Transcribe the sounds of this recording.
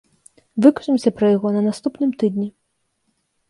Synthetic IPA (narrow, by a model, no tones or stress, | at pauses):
vɨkɐ̥ʂɨmsʲɐpɾɐjaɣɔnɐnast̪upnɨmt̪ɨd̪nʲi